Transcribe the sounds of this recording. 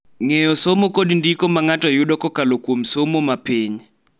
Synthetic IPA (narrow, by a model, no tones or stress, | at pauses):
ŋejɔsomokodndikomaŋatɔjʊdɔkɔkalokwomsomomapiɲ